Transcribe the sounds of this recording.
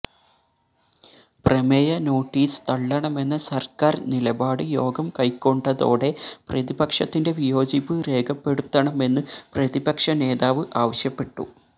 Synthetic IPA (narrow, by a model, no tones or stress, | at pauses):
prɐmejɐno̞ːʈːiːsɨ̥t̪ɐɭːɐɳɐme̞nːɐsɐrkaːrnilɐbaːɽɨjo̞ːɡɐmkɐjkːo̞ɳɖɐðo̞̰ːɽe̞prɐðibɐkʂɐt̪ːinde̞ʋijo̞ːd͡ʑipːɨre̞ːkʰɐpːe̞ɽut̪ːɐɳɐme̞nːɨprɐðibɐkʂɐne̞ːðaːʋɨʔaːʋɐɕjɐpːe̞ʈːṵ